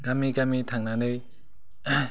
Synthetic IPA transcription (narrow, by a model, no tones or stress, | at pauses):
ɡamiɡamitʰaŋnanɯj